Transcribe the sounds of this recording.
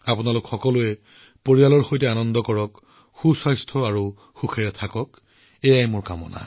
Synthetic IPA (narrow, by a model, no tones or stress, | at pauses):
apʊnalʊkxɔkɔlʊɛ | poɹijalɔɹxojtɛanɔndɔkɔɹɔk | xusɔjstʰɔaɹu | xuxʰɛɹɛtʰakɔk | ejajmʊɹkamɔ̰na̰